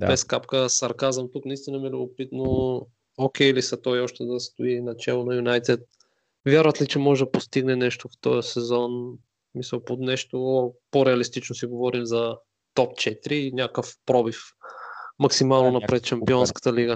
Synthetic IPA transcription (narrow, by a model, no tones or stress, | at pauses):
bɛskapkəsɐɾkazəmt̪uknɐist̪inəmiɛlʲʊbopit̪no | okʲɛlisɐt̪ɔjɔʃt̪ɛd̪ɐst̪ʊinɐt͡ʃɛlˠonɐjunajt̪ɛt̪̚ | vʲjaɾvət̪lit͡ʃɛmɔʒɛd̪ɐpost̪iɡnɛnɛʃt̪oft̪ɔjəsɛzɔn | smisəlˠpot̪nɛʃt̪opoɾɛɐlist̪it͡ʃnosiɡovɔɾimzɐ | t̪ɔpt͡ʃɛt̪iɾiːnʲakəfpɾɔbif | mɐksimalˠnonɐpɾɛt̪ʃɐmpiɔnskə̥t̪əliɡə